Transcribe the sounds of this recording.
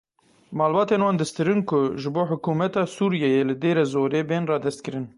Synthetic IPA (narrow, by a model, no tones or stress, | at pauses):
mɑːlbɑːt̪eːnwɑːnd̪ɨst̪ɨɾɨnkʰʊʒɨboːħʊkuːmɛt̪ɑːsuːɾijɛjeːlɨd̪eːɾɛzoːɾeːbeːnrɑːd̪ɛst̪kɨɾɨn